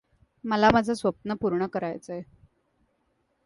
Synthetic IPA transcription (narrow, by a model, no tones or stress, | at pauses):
məlamad͡zʱasʋəp̚nəpuɾɳəkəɾajt͡səe